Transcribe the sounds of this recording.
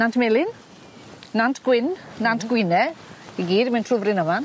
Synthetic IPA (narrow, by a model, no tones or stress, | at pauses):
nantʰmelɪn | nantʰɡ̥wɪnnantʰɡ̥wɪnɛiɡiːdmɛntʰrʊvrɪnəman